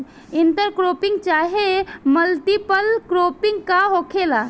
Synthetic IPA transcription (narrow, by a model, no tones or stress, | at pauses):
ɪnt̪əɾkɾoːpɪ̃ŋɡ̚t͡ʃaːɦeməlt̪ipəlkɾoːpɪ̃ŋɡkaɦokʰelaː